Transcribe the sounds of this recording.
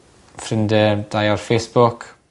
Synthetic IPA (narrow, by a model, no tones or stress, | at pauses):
frɪndəd̥ajɔrfejsb̥ʊkʰ